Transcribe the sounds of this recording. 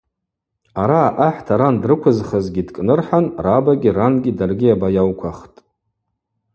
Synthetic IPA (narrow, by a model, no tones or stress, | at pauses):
aɾaːʔaħtʰaɾandrɨkʷʰʊzχəzɡʲidkʼnɨrħanrabaɡʲiranɡʲidarɡʲiabajawkʷʰaχtʼ